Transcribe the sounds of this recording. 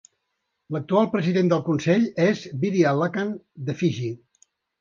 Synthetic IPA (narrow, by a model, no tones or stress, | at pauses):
lək̚t̪ualˠpɾəziðend̪əlˠkunsɛʎezβiɾialakand̪əfiʒi